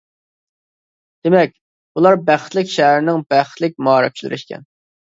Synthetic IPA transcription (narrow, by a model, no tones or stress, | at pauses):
d̪̥emɛk̚ʲ | ulˠɑɾbæχt̪lɪkʲʃæɦɾɪnɪŋbæχt̪lɪk̚ʲmɑːɾɨk̚ʲt͡ʃʰlɪ̰ɾɪ̰ʃkʲɛ̰n